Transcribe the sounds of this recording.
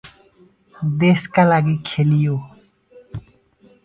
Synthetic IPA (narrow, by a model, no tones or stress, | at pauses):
d̪eskalaɡikʰelijo